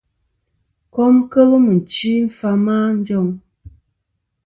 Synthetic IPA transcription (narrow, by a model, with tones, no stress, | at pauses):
kɔ˦mkə˦lə˦mə˨n̩˨t͡ʃi˦m̩˦fa˦maː˦n̩˦d͡ʒɔ˦ŋ